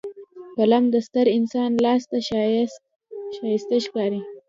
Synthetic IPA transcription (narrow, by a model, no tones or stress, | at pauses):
palamd̪əst̪əɾɪnsɑːnlɑːst̪a | ʃɑjɪst̪eʃkɑɾi